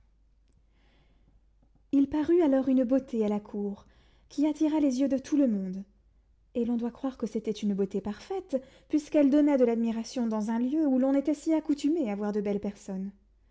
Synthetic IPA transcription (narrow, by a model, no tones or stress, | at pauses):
ilpaʁyalɔʁynbot̪ealakʰuʁ | kʲʰiat̪iʁalezjød̪ət̪ʰuləmɔ̃d̪ | elɔ̃d̪wakχwaʁkəset̪ɛt̪ynbot̪epaʁfɛt̪ | pɥiskɛld̪ɔnad̪əlad̪miʁasjɔ̃d̪ɑ̃zɛ̃ljøulɔ̃net̪ɛsiakut̪ymeavwaʁd̪əbɛlpɛʁsɔn